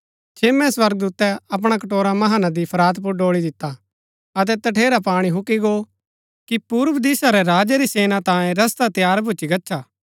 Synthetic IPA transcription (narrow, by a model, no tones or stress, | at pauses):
t͡ʃʰeːmɛ̃swɐɾɡ̚d̪uːt̪ːɛɐp̬ɽ̃ak̬ɐʈoːɾamɐɦaːnad̪ipʰɐɾaːt̪p̬ʊɖoːɭid̪ɪt̪ːa | ɐt̪̬ɛt̪ɐʈʰeːɾapaːɽ̃iɦʊkiɡo | kipuːɾʋd̪iːsaɾɛɾaːd͡ʒaɾiseːnat̪ãːjẽɾɐst̪at̪jaːɾbʱʊt͡ʃiɡɐtːt͡ʃʰaː